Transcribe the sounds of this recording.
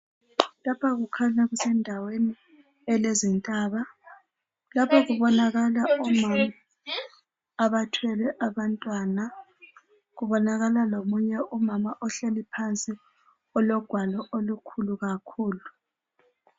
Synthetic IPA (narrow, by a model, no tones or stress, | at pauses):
lapʰaɣukʰaɲaɣusɛndʱaweni | ɛlezintʼaːβa | lapʰɔɣuβɔnaɣalaumama | βatʰwɛlɛʔaβantʼwana | ɣuβɔnaɣalalomuɲɛʔumamaʔɔɬelipʰant͡sʼi | ɔlɔɡ̥ʱwalɔʔolukʰuluɣakʰuːlu